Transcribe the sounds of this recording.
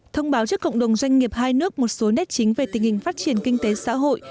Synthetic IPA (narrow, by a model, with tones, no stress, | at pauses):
t̪ʰə˧wŋ͡mɓaː˨˦wt͡ɕɨ˦˥əkːə̰˧˨wŋ͡mɗə˨˩wŋ͡mzwa˧jŋ̟ŋi˨˩əp̚haː˧jnɨ˦˥ək̚mo˨˩t̚so˨˦nɛ˦˥t̚t͡ɕi˨˦ŋ̟ve˨˩t̪ï˨˩ŋ̟hï˨˩ŋ̟faː˦˥t̚t͡ɕi˨˩ənkï˧ŋ̟t̪e˨˦sa̰ː˧˥ɦo̰˧˨j